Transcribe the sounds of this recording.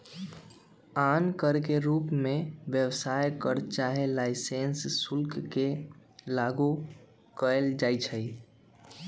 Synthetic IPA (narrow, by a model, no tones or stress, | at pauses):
ankəɾkeɾupmeʋjəwsajkəɾt͡ʃaɦelaɪsensːulkkelaɡu | kəeld͡ʒajt͡ʃʰəj